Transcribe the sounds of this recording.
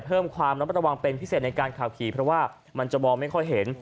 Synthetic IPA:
pʰɤː˥˩mkʰwaː˧mɾa˦˥ɾa˧wa˧ŋpe˧npʰi˦˥seː˨˩t̪n˧jkaː˧nkʰaː˨˩wkʰiː˩˦pʰɾɔ˦˥waː˥˩ | ma˧nt͡ɕa˨˩mɔː˧ŋma˥˩jkʰɔ˥˩jɦe˩˦n

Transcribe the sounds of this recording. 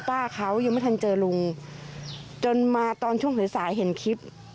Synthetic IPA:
t̪aː˥˩kʰa˦˥wjaː˧mː˧˥˩t̪ʰa˧nt͡ɕɤː˧lu˧ŋ | t͡ɕo˧nmaː˧t̪ɔː˧nt͡ɕʰu˥˩˨ŋɦɯ˨˦saː˩˦jɦe˨˩˦nkʰi˦˥p̚

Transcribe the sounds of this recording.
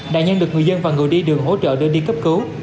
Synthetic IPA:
ɗa̰ː˧˨ɲə˧nɗɨ˨˩ək̚ŋɨ˨˩əjzə˧nvaː˨˩ŋɨ˨˩əjɗi˧ɗɨ˨˩ək̚ɦo̰˧˥t͡ɕə̰ː˧˨ɗɨ˧ɗi˧kə˦˥p̚kɨ˨˦w

